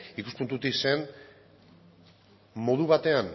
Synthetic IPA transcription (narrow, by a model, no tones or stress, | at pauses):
ikuspunt̪ut̪ise̞n | mo̞ðuβ̞at̪e̞an